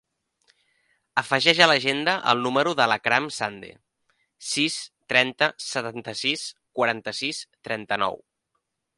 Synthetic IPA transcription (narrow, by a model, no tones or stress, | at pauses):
əfəʒɛʒələʒend̪əʔə̰lˠnuməɾuðələkɾamsand̪ḛ | sist̪ɾɛnt̪əsət̪ant̪əsiskwəɾant̪əsist̪ɾɛnt̪ənɔ̰w